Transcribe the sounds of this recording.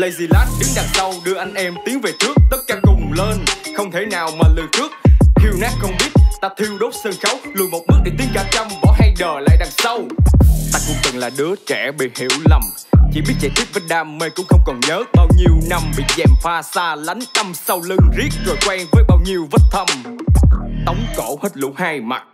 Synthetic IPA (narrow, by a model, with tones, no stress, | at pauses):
lə˧jzi˧˩laː˦˥t̚ɗɨ˨˦ŋɗa˨˩ŋ̚sə˧wɗɨ˧əʔa˧jŋ̟ʔɛ˧mt̪i˨˦əŋve˨˩t͡ɕɨ˦˥ək̚t̪ə˦˥t̚kaː˨˦kʊ˨˩ŋ͡mleː˧nxə˧wŋ͡mt̪ʰe˨˦naː˨˩wmaː˨˩lɨ˧˩nt͡ɕɨ˦˥ək̚hʰi˧wnaː˦˥t̚xə˧wŋ͡mɓi˦˥ət̚t̪aː˧t̪ʰi˧əwɗo˦˥t̚səː˧ŋxa˨˦wlu˧˩˨jmo˨˩t̚mɨ˦˥ək̚ɗi˨˧˩t̪i˨˧˦nkaː˧˩t͡ɕə˧mkɔ˨˦ɦa˧jɗəː˧˩la̰ː˧˨jɗa˨˩ŋsə˧wt̪aː˧kʊ̰˧˥ŋ͡mkə˨˩nlaː˨˩ɗɨ˨˦ət͡ɕɛ˧˩ɓḭ˧˨hḭ˧˩əwla˨˩m | t͡ɕḭ˧˩ɓi˦˥ət̚t͡ɕɛ˧˩t̪ʰi˦˥t̚və˧˩n̚ɗaː˧˩mːe˧˩kʊ̰˧˥ŋ͡mxə˧wŋ͡mkɔ˨˩nɲəː˨˦ɓaː˧wɲi˨˧əwna˧mɓḭ˧˨zɛ˨˩mfaː˧saː˧la˨˦jŋ̟ɗa˧msa˧wlɨ˧ŋzi˦˥ək̚zo˨˩jkwɛ˧ŋvəː˨˦jɓaː˧wɲi˨əwvə˦˥t̚t̪ʰə˧m | t̪ə˨˦wŋ͡mkɔ˧˩hə˦˥t̚lṵ˧˥haː˧jma̰˨˩t̚